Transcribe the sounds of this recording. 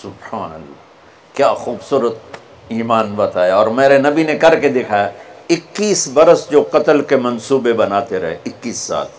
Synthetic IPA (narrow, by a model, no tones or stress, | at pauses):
sʊbhaːnə̰lːaː | kjaːxuːbsuːɾət̪̚ | iːmaːnbɐt̪aːjaɔːɾmeːɾenɐbinekɐɾked̪eːkʰaːjaɪkːiːsbɐɾəsd͡ʒoːqɐt̪əlkemɐ̃nsuːbebɐnaːt̪eɾɐɦeɪkːiːsːa̰ːl